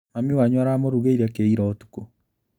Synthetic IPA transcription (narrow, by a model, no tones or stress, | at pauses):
mamiwaɲwaɾamoɾuɣeiɾakeiɾɔotu̥ko